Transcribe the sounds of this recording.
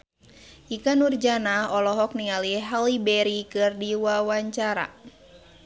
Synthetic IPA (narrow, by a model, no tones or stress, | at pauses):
ʔikanurd͡ʒanaɔlɔɦɔk̚niŋaliɦalibɛɾikɨrdiwawaɲt͡ʃaɾa̰